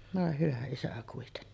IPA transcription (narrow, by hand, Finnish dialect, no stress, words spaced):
ʋoˑe hyʋæ isæ kuitenːi